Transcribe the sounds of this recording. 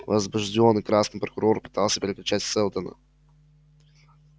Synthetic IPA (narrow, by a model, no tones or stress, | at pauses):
vɐzbʊʒdʲonːɨkɾasnɨpɾokʊɾoɾpɨ̥t̪alˠsʲəpʲɾʲɪklʲʊt͡ɕatʲsɛlˠt̪ənə̰